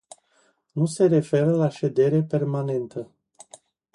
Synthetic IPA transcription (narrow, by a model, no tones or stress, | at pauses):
nuse̞ɾe̞fe̞ɾəlaʃe̞d̪e̞ɾe̞pe̞rmane̞nt̪ʰə